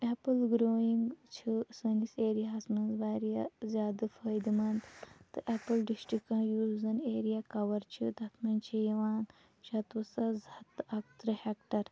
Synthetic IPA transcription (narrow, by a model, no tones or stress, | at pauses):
epɨlɡɾoːiŋɡt͡ʃʰisɐniseːɾijasmɐnzbaːɾijɐzʲaːd̪ɨfəːjd̪mɐnd̪t̪ɨʔepɨlɖisʈɾikɐnjuːzɐneːɾijakɐʋɐɾt͡ʃʰid̪ʱɐt̪ʰmɐnt͡ʃʰijɐʋaːn | t͡ʃʰat̪usɐzɐt̪ɐkt̪ɾɐhekʈɐɾ